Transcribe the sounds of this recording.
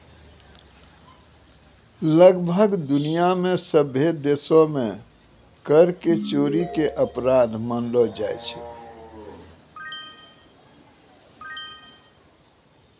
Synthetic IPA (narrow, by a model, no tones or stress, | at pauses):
ləɡbʱəɡd̪unijamesəbʱed̪esome | kəɾket͡ʃoɾikeʔəpɾad̪mənlɔd͡ʒajt͡ʃʰɛ